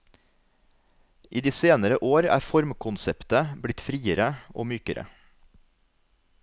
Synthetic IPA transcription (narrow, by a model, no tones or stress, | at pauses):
ʔiːd̪iːseːnəɾəʔoːɾæ̰ːfɔɾmkʰʊnsɛpt̪əblɪt̪fɾiːəɾəʔo̰ːmyːkəɾə̰